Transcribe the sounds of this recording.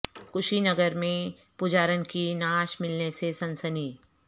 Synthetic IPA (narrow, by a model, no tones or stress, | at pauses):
kʊʃinɐɡəɾmẽ | pʊd͡ʒaːɾənkinaːʃmɪlnesesɐ̃nsəniː